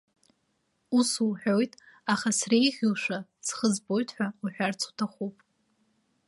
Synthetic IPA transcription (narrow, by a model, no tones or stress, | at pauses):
usuwħᶣo̞jtʼ | aχasrejʁʲilʃʷᶣasχəzbo̞jtʰħʷᶣauħʷᶣart͡sʰu̥tʰaχupʼ